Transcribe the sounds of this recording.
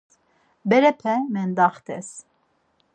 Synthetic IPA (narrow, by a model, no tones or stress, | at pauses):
bɛɾɛpʰɛmɛnd̪ɑχt̪ɛs